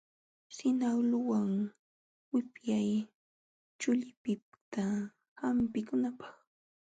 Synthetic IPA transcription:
sɪnawlʊwaŋ | wɪpjaj | t͡ʃʊʎɪpɪpt̪a | hampɪkʊnapɑ̥χ

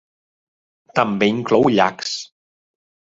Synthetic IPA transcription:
t̪ɐmbɪnklowʎa̰ks

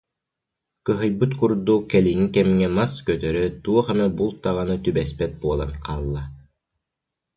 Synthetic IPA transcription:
kɯɦɯjbɯt̪kuɾd̪ukɛliŋikɛmŋɛmaskœt̪œɾœt̪uɔχanɯbulˠt̪aʁanɯt̪ybɛspɛt̪̚buɔlˠa̰nqaːlˠːa

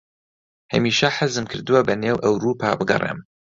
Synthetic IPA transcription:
hɐmiːʃɐħəzɨmkʰɨɾd̪ɨwɐbɐneːwʔɐwɾuːpʰa̰ːbɨɡɐ̰rˤḛːm

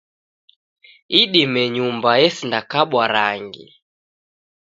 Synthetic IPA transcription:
iɗimɛɲumbajɛsindakaɓwaɾaŋɡḭ

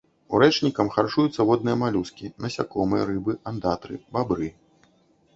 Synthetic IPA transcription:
ṵɾɛt͡ʂnʲikɐmxart͡ʂujut̪sːɐvɔd̪̚nɨjɐmalʲuskʲinɐsʲa̰kɔmɨjɐɾɨbɨand̪at̪ɾɨ̰babɾɨ

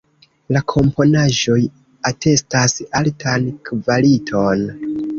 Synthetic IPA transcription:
lakʰo̞mpo̞naʒo̞j | ate̞stasaltʰankvalitʰo̞n

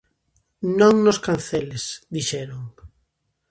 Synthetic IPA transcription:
nõŋnoskan̟θɛlesd̪iʃɛɾoŋ

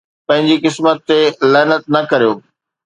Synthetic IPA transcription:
pɐ̃ɦɪ̃ɲd͡ʑikɪsmət̪ːelɛːnət̪̚nɐkɐɾijoː

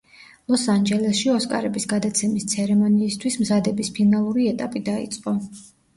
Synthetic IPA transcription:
lˠɔsand͡ʒɛlɛsʃiɔskʼa̰ɾɛbisɡad̪at̪sʰɛmist̪sʰɛɾɛmɔniːst̪ʰwismzad̪ɛbispʰinalˠuɾiɛt̪ʼapʼid̪aḭt̪sʼqʼɔ

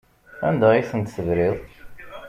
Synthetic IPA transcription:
æ̰nd̪æiθənt̪səðɾɪðˤ

